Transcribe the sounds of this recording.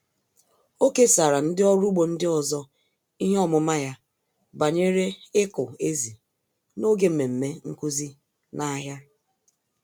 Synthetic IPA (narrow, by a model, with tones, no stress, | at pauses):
o˦ke˦sa˨ɾa˨n̩˦dɪ˦ɔ˦ɾu˦ɡ͡bo˨n̩˦dɪ˦ɔ˨zɔ˦ | i˦ɦe˦ɔ˦mʊ˨ma˦ja˦ | ba˨ɲe˦ɾe˦ɪ˦kʊ˨e˦zi˨ | no˦ɡe˦m̩˨me˨m̩˨me˦ŋ̩˦ku˦zi˦ | na˦ɦja˦